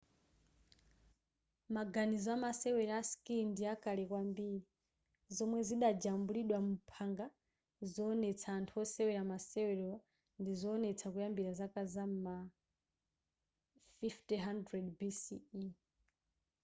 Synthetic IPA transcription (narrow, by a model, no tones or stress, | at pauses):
maɡanizɔamasɛwɛɾaskindiakʼalɛkwambiːɾi | zɔmwɛziɗad͡ʒambuliɗwamupʰaŋɡa | zɔːnɛt͡sʰaːntʰuɔsɛwɛɾamasɛwɛɾɛa | ndizɔːnɛt͡sʰakujambiɾazakʼazamma | fiftiɦandɾɛdbisii